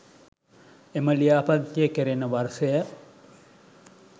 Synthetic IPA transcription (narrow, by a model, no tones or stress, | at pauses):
eməlijaːpant̪ːijəkeɾenəʋarsəjə